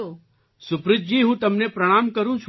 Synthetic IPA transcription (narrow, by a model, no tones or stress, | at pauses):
sʊpɾɪd͡ʒ̚d͡ʒiːɦũːt̪ɐmnepɾɐɽ̃aːmkɐɾũt͡ʃʰ